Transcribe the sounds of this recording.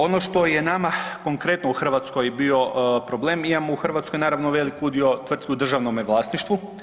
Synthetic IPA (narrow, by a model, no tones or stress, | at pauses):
o̞noʃt̪o̞jenamako̞ŋkɾe̞t̪nouxr̩ʋaːt̪sko̞jbio̞pɾo̞ble̞ːmimamouxr̩ʋat̪skojnaːɾaʋnoʋe̞likud̪io̞t̪ʋr̩t̪kiud̪r̩ʒaʋnomeʋlˠaːsniʃt̪ʋu